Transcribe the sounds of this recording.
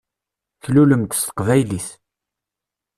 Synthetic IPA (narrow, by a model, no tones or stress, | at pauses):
çluləmt̪ə̥st̪ə̥qvæjlis